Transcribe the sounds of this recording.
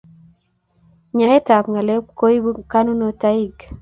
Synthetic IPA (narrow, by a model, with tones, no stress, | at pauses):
ɲa˨e˦ta˨pŋa˨le˦ko˦i˦bu˦ka˦nu˦no˦ta˦i˦ɡ